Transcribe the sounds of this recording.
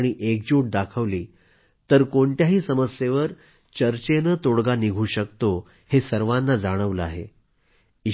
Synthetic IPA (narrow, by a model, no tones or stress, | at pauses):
ɽ̃iʔek̚d͡ʑuʈ̚d̪akʰəʋliː | t̪əɾkoɳʈ̪jaɦiːsəməsjeʋəɾ | t͡ɕəɾt͡ɕenət̪oɽɡaniɡʱuːɕəkt̪o | hesəɾʋanːad͡zaɽ̃əʋləaɦḛ | i